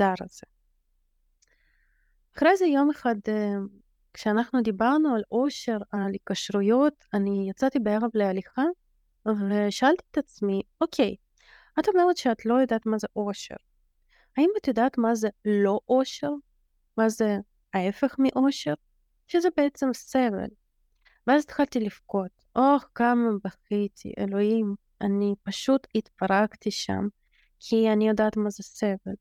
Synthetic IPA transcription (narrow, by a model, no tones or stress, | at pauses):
zaɾa̰z̥e | aχʁejzejo̞meχad̪ | kʃeanaχnud̪ibaʁnualʔo̞ʃe̞ʁalikaʃʁujo̞t̪anijat͡sat̪ibeeʁavlealiχa | veʃaalt̪i̥ːt̪at͡smiokʰej | at̪o̞meʁet̪ʃeat̪lo̞jod̪aːt̪mazeʔoʃḛʁ | haimat̪jod̪aːt̪mazɛlo̞ʔoʃeʁ | mazɛ | aefexmiʔoʃeʁ | ʃezɛbeɛt͡semsevḛl | veazt̪xalt̪ilifkot̪ʔoxkamabaxit̪ʰḭʔḛloim | anipaʃut̪it̪paʁaɡt̪iʃa̰m | kʰianijod̪aːt̪mazesevel